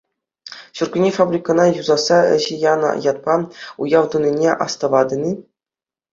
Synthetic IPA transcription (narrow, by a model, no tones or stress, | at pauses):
ɕurɡʲunʲefabrʲikɤ̆nɑjuzɑsɑɘ̰̆ʑɘ̆jɑnɤ̰jɑt̪̚pɑujɑʋd̪unʲinʲeʔɑ̰st̪ɤ̆ʋɑd̪ʲɤ̆nʲi